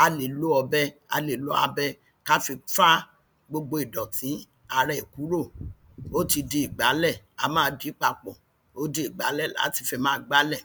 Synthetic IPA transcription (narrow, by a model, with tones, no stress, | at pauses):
a˧le˨lo˦ɔ˧bɛ˦a̰˧le˨lo˦a̰˧bɛ˦ | ka˦fi˧fa˦ | ɡ͡bo˧ɡ͡bo˧i˨dɔ̃˨tĩ˨˦ | a˧ɾɛ˦i˨ku˨˦ɾo˦˨ | o˦ti˧de˧i˨ɡ͡ba˨˦lɛ˦˨ | a˧mãː˦˧˦di˨˦k͡pa˧k͡pɔ̃˨ | o˦de˧i˨ɡ͡ba̰˨˦lɛ˦˨la̰˨˦ti˧fɛ˧mãː˦˨ɡ͡ba˦lɛ˦˨